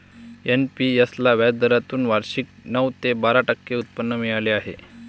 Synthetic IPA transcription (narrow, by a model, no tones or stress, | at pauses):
enpijəslaʋjad̪əɾat̪uːnʋaɾɕik̚nəʋt̪ebaɾaʈəkːeut̪̚pənːəmiɭaleaɦḛ